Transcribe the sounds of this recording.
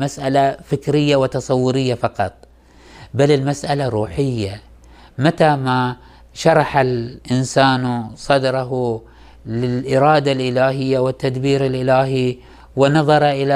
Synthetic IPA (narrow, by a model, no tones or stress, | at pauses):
masʔalafɪkɾɪjːawɪt̪ɑsˤɑwːʊɾɪjːafɑqɑt̪ˤ | balɪlmasʔalaɾˤuːħɪjːa | mat̪ama | ʃɑɾˤɑħalʔɪnsaːnsˤɑd̪ɾˤɑɦʊ | lɪlʔɪɾɑːd̪alʔɪlaːɦɪjːawɪt̪ːad̪biːɾɪlʔɪlaːɦi | wɪnɑðˤɑɾˤʔɪla